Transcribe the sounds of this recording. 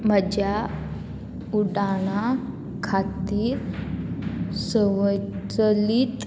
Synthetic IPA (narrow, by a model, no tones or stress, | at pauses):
m̤əd͡ʑja | uɖaɽ̃a | kʰat̪iːɾ | səʋət͡səlit̪